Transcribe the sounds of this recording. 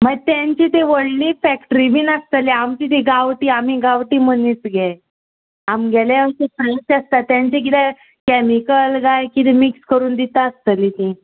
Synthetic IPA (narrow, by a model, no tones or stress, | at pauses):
məɡ̚t̪jãɲt͡ɕit̪eʋəɽlifɛkʈɾibʱiːnast̪əliamt͡ɕit̪iɡaʋʈiːam̤iɡaʋʈiːm̤ənit͡sɡʱjaj | amɡʱɛlaəsepɾejsəst̪at̪ːjãɲt͡ɕek̬it̪a | kɛmikəlɡajkit̪emikskəɾuːnd̪it̪aəst̪əlit̪ĩ